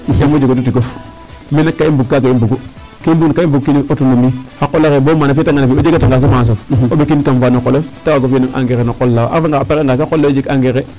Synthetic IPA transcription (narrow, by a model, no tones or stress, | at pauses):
emod͡ʒekotutikof | minakːaimbukkːakaimbuɡu | kaimbunkaimbukkːiniotunumiakolakebomanaftaŋɡanafiod͡ʒikataŋɡas̬omans̬oobekinkamfanokoloftawaɡofinaŋʔa̰ŋɡeɾenokolːaa̰faŋɡapekeŋɡasakolːad͡ʒikaŋɡeɣe